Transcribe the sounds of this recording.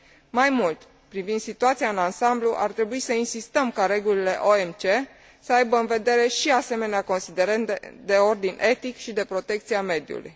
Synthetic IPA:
majmult̪ | pɾivind̪sit̪uat̪siaɨnansambluʔa̰rt̪ɾe̞buisəinsist̪əmkaɾe̞ɡulile̞ʔoe̞mt͡ʃe̞ | səajbəɨnve̞d̪e̞ɾe̞ʃiase̞me̞neako̞nsid̪e̞ɾənt̪ed̪e̞o̞rd̪inʲʔe̞t̪ikʃid̪e̞pɾo̞t̪e̞kt̪siame̞d̪jṵlṵj

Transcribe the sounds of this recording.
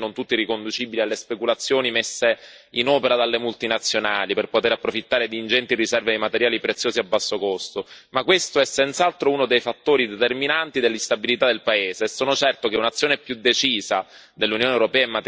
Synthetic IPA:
nont̪ut̪ːirikond̪ut͡ʃibilialːespekulat̪sːjoːnimesːe | inɔːpeɾad̪alːemult̪inat̪sːjonaːliperpot̪eɾapːɾofit̪ːaːɾed̪iːnd͡ʒɛnt̪irisɛrved̪ejmat̪eɾjaːlipɾet̪sːjoːziabːasːokost̪omakːwest̪oɛsɛnt̪salt̪ɾouːnod̪ejfat̪ːoːɾid̪et̪erminant̪id̪elːist̪abilit̪ad̪elpaeːzeːsːoːnot͡ʃɛrt̪okeunat̪sːjoːnɛpjud̪ːet͡ʃiːza | d̪elːunjoːnewɾopɛːaemːa

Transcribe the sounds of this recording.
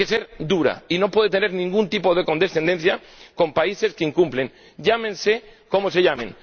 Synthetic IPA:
keseɾd̪uɾa̰ino̞pwe̞ð̞et̪̬ene̞ɾnĩŋɡunt̪ipo̞ð̞e̞ko̞nd̪e̞sθe̞nd̪e̞nθja | ko̞mpaise̞skeiŋkumple̞ŋ | ɟ͡ʝamẽnseko̞mose̞ʎamẽn

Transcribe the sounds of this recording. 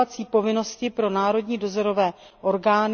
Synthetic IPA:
at͡siːpo̞vɪno̞scɪpɾo̞naːɾo̞dɲiːdo̞zoɾo̞vɛː | ʔo̞ɾɡaːn

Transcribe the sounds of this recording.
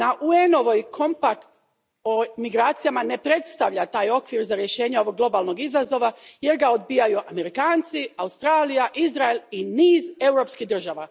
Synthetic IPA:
naʔuenoʋojkʰo̞mpakt̪ | omiɡɾaːt̪sijamane̞pɾe̞t̪st̪aʋʎat̪aːjo̞kʋiɾzaɾje̞ʃe̞ːɲeo̞ʋo̞ɡ̚lo̞baːlˠno̞ɡizazo̞ʋaje̞ɾɡao̞d̪̚bijajuʔame̞ɾikaːnt̪siaust̪ɾaːlijaʔizɾaeliniːze̞wɾo̞pskiɦd̪r̩ʒaʋa

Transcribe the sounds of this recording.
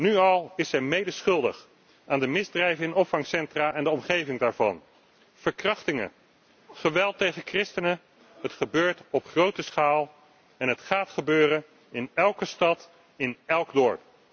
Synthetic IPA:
nyɑlˠɪsɛjmejdəɹsχɵlˠdə̰χ | aːndəmɪzdrɛjvəɪnɔpfɑŋsɛntraːʔɛndəɔmχejvɪŋdaːɹvɑ̰n | v̥əɹkrɑχtɪŋə̰ | χəʋɛlˠtejχəkrɪstənə | ɦətχəbøːɹtɔpχrowtəsχaːlˠ | ɛnɦətχaːtχəbøːrən | ɪnɛlˠkəstɑt | ɪnɛlˠɡdɔɹp̚

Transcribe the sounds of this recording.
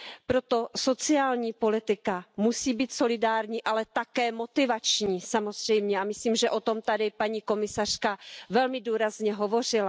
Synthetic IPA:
pɾot̪o̞so̞t͡sɪaːlɲiːpo̞lɪt̪ɪkamusiːbiːt̪so̞lɪdaːɾɲiːʔalɛt̪akɛːmo̞t̪ɪvat͡ʃɲiːsamo̞zrɛjmɲɛamɪsliːmʒɛʔo̞t̪o̞mt̪adɪpaɲiːko̞mɪsar̝̥kavɛlmɪduːɾazɲɛɦo̞vo̞r̝ɪla

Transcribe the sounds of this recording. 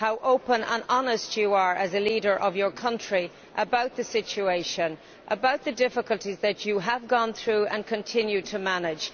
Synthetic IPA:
haʊʔoʊpə̃nə̰̃nɑnəst͡ʃəə˞ʔəzəliːɾə˞ʔʌvjə˞kʰʌ̃nt͡ʃɹ̥i | ʔəbaʊt̪̚ðəsɪt͡ʃueɪʃə̃n | ʔəbaʊt̪̚ðədɪfɪkəlˠtizðɨt͡ʃəəvɡɔ̃nθɹuːə̰̃nkʰə̃ntʰɪ̃njʉd̚tʰəmanɪ̥d͡ʒ̥

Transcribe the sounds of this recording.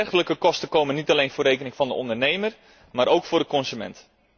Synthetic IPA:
ɛrxələkəkɔstəkowmənːitalejnfʊːrejkənɪŋfɑndəɔndərnejmər | maːɾowkfʊːrdəkɔnsymɛ̰nt

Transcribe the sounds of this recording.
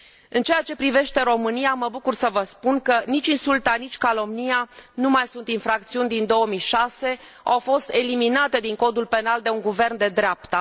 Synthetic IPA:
ɨnt͡ʃe̞jat͡ʃe̞pɾive̞ʃt̪e̞ɾo̞mɨniaməbukursəvəspunkənit͡ʃʲinsult̪anit͡ʃʲkalo̞mnijanumajsunt̪infɾak̚t̪siunʲd̪ind̪o̞əmijʃase̞ | a̰wfo̞st̪e̞liminat̪e̞d̪iŋko̞d̪ulpe̞nald̪e̞uŋɡuve̞rnd̪e̞d̪ɾeapt̪ə

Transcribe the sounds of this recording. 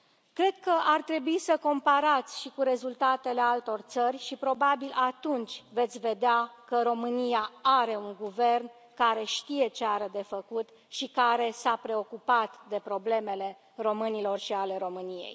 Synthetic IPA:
kɾe̞d̪̥̚kəʔart̪ɾe̞buisəko̞mpaɾat̪sʲʃikuɾe̞zult̪at̪e̞le̞alt̪o̞rt̪sərʲʃipɾo̞babilat̪unt͡ʃʲve̞t̪sʲve̞d̪eakəɾo̞mɨnijaaɾe̞uŋɡuve̞rn | kaɾe̞ʃt̪ije̞t͡ʃeaɾəd̪e̞fəkut̪ | ʃikaɾe̞sapɾe̞o̞kupat̪d̪e̞pɾo̞ble̞me̞le̞ | ro̞mɨnilo̞rʃiale̞ɾo̞mɨnijḛj

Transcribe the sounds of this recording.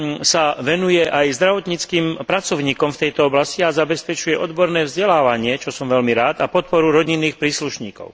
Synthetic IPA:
saʋɛnujɛʔajzd̪ɾaʋɔt̪ɲit͡skiːmpɾat͡sɔʊɲiːkɔmft̪ɛjt̪ɔɔblasciazabɛspɛt͡ʃujɛʔɔd̪bɔɾnɛːvzɟɛlaːʋaɲɪɛt͡ʃɔsɔmʋɛlmiɾaːt̪apɔt̪̚pɔɾuɾɔɟinːiːxpɾiːsluʃɲiːkɔ̰ʊ

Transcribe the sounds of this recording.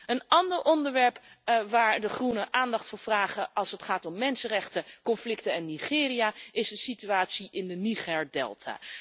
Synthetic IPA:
ənɑndəɹʔɔndəɹʋɛɹpʋaːɹdəχrunəʔaːndɑχtfʊːɹv̥raːχəɑlˠsətχaːtɔmːɛnsənrɛχtəkɔnflɪktəɛnːiχɪːɾijaɪzdəsityaːtsiʔɪndəniχɛːɹdɛ̰lˠtʰa̰ː

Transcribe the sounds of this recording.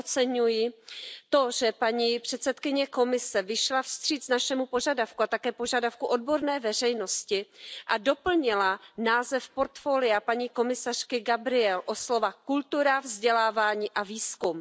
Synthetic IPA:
ot͡sɛɲujɪt̪o̞ʒɛpaɲipr̥ɛt̪sɛt̪kɪɲɛko̞mɪsɛvɪʃlafst̪r̝̥iːt̪naʃɛmupo̞ʒadafkuat̪akɛːpo̞ʒadafkuʔo̞dbo̞ɾnɛːvɛr̝ɛjno̞scɪʔado̞pl̩ɲɪlanaːzɛfpo̞ɾt̪fo̞ːlɪjapaɲiːko̞mɪsar̝̥kɪɡabɾɪɛlʔo̞slo̞vakult̪uɾavzɟɛlaːvaːɲiːʔaviːskum

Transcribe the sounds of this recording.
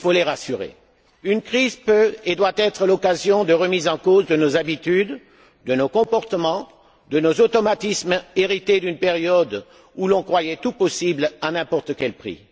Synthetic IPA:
ifoleʁasyʁḛ | ynkχizpøed̪wat̪ɛt̪χəlɔkazjɔ̃d̪əʁəmizɑ̃kozd̪ənozabit̪yd̪ | d̪ənokɔ̃pɔʁt̪əmɑ̃ | d̪ənozot̪ɔmat̪ismeʁit̪ed̪ynpeʁjɔd̪ | ulɔ̃kχwajɛt̪upɔsiblanɛ̃pɔʁt̪əkʲɛlpχḭ

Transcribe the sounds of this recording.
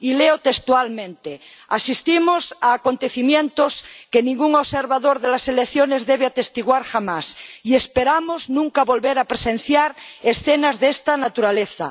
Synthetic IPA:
ileot̪est̪ualmẽnt̪e | asist̪imosaːkont̪eθimjẽnt̪oskenĩŋɡuŋoβseɾβaðoɾðelaselekθjonezðeβeat̪est̪iɣwaɾxamasiespeɾamoznũŋkaβo̞lβeɾapɾesẽnθjaɾesθenazðest̪anat̪uɾaleθa̰

